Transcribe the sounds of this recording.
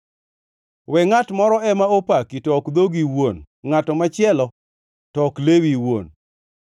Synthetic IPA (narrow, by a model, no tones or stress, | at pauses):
wɛŋatmɔɾɔɛmaopakitɔkd̪oɡiwon | ŋatɔmat͡ʃɪɛlɔ | tɔklewiwo̰n